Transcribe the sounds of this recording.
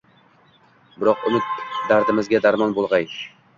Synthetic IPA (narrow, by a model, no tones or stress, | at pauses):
bɪɾɒqʊ̰mɪt̪̚d̪aɾd̪ɪmɪzɡʲad̪aɾmɒnbolˠʁɑj